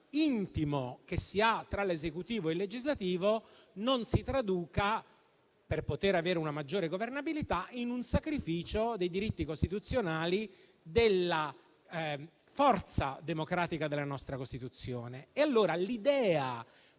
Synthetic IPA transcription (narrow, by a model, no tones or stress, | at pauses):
int̪imok̟esːiat̪ːɾalezekut̪iːvoelːed͡ʒizlat̪iːvo | nonsit̪ɾad̪uːka | perpot̪eɾaveːɾeunamad͡ʒːoːɾeɡovernabilit̪ainunsakɾifiːt͡ʃod̪ejd̪iɾit̪ːikost̪it̪ut̪sːjonaːli | d̪elːa | fɔrt̪sad̪emokɾaːt̪ikad̪elːanɔst̪ɾakost̪it̪ut̪sːjoːneːalːoːɾalid̪ɛːa